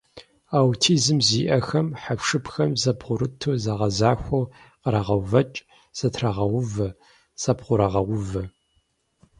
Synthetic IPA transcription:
awtʰiːzɨmziːʔɐxɐmħapʂɨpʰxɐmzɐbʁʷʊɾɨtʰuzɐʁɐzaːxʷo | qəɾaʁɐwvɐt͡ʃʼ | z̥ɐtʰraʁɐwʊvɐ | sɐpχʷʊɾɐʁɐwʷʊvɐ

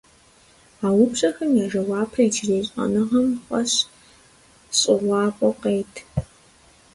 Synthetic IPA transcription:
aːwʊpɕʼɐxɐmjaːʐɐwɑːpʰrɐid͡ʒɪreːɕʼɐ̰nɨʁɐmχʷɐ̰ɕ | ɕʼɪʁʷɑːpʷʼɔqeːjtʰ

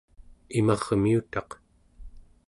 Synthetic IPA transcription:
imɑʁmiut̪ɑq

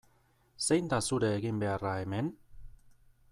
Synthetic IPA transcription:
se̞jnd̪asuɾe̞ːɣimbe̞arae̞me̞n

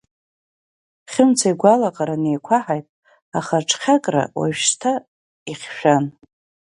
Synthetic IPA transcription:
χʲɪmt͡sʰaiɡʷalaqʼaɾane̞jkʷʰaħajtʼ | aχaʈ͡ʂʰʼχʲakʼra̰wa̰ʃtʰa | iχʲʃᶣan

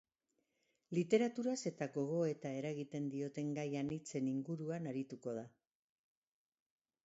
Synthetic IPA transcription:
lit̪e̞ɾat̪uɾase̞t̪aɣo̞ɣ̞o̞e̞t̪aeɾaɣit̪e̞nd̪io̞t̪e̞ŋɡajanit͡se̞niŋɡuɾuanaɾit̪uko̞ð̞a

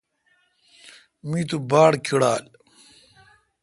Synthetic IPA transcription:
mĩːt̪̬ubaːɽkʰiɽaːl

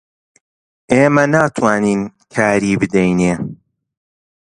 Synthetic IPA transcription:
ʔeːmɐnaːt̪ʰwaːniːnkʰaːɾiːbɨd̪ɛjneː

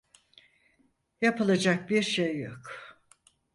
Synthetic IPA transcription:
japɯlˠad͡ʒak̚biɾʃejːo̰k

